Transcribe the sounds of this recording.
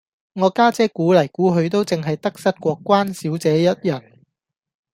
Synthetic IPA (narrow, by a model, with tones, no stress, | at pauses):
ŋɔː˨˧kaː˥t͡sɛː˥kuː˨˥lɐ˨˩jkuː˨˥ɦɵ˨˧ɥt̪o˥wt͡sɪ˨ŋɦɐ˨jt̪ɐ˥k̚sɐ˥t̚kʷɔː˧kʷːaː˥nsiː˨˥wt͡sɛː˨˥jɐ˥t̚jɐ˨˩n